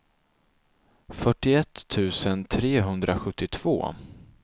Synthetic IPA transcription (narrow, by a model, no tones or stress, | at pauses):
fœʈːɪɛt̪ʰːʉ̟ːsənt̪ʰɾeːɦɵnd̪ɾʔaɧɵt̪ːɪt̪ʰv̥o̰ː